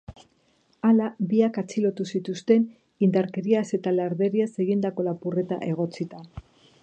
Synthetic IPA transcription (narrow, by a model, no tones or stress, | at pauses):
alabiakat͡silo̞t̪usit̪ust̪e̞n | ind̪aɾke̞ɾiase̞t̪alaɾðe̞ɾiase̞ɣind̪ako̞lapure̞t̪a̰ʔe̞ɣ̞o̞t͡sit̪a